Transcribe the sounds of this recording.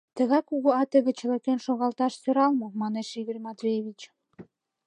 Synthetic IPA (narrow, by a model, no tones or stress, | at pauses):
t̪əɣɑkːuɣoɑt̪əɣĕt͡ɕə̆lekenʃoɣɑlt̪ɑʃsøɾɑlmomɑneʃiɣərʲmɑt̪βʲejeβʲit͡ɕ